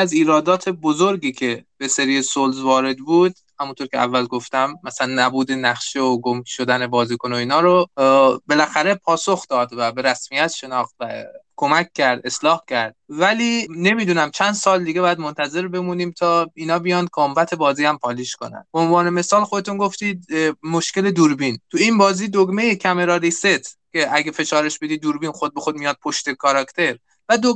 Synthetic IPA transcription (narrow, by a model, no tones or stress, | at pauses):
æziːɾɒːd̪ɒːt̪ʰe̞bo̞zo̞ɾɡiːcʰe̞b̥eseɾiːsolzvɒːɾe̞d̪buːd̪̚ | hæmunt̪ʰoɾcʰeæ̰vːælɡo̞ft̪æmːæslænːæbuːd̪e̞næχʃeoɡomkʰʲʃo̞d̪æne̞bɒːziːkʰonoiːnɒːɾobe̞læxæɾe̞pʰɒːsoxd̪ɒːd̪væbe̞ɾæsmijæt̪ʃe̞nɒːxt̪vækʰo̞mæcʰʲːæɾd̪e̞slɒːhcʰæɾd̪̥̚væliːne̞miːd̪uːnæmt͡ʃʰænd̪sɒːld̪iːɡeɒːjæd̪mont̪ʰæze̞ɾbe̞muːniːmt̪ʰɒːiːnɒːbijɒːnd̪̚kʰombæt̪ʰe̞bɒːziːæmpʰɒːliːʃko̞næ̰nd̪̥̚beonvɒːne̞me̞sɒːlxod̪e̞t̪unɡo̞ft̪iːd̪̚moʃke̞le̞d̪uɾbint̪ʰuinbɒːziːd̪oɡme̞jekʰæme̞ɾɒːɾiset̪ʰkcʲʰe̞ʔæɡefe̞ʃɒːɾeʃbe̞d̪iːd̪uːɾbiːnxo̞d̪̚be̞xod̪̚mijɒːd̪̚pʰo̞ʃt̪ekʰɒɾɒkt̪ʰe̞ɾ | væd̪o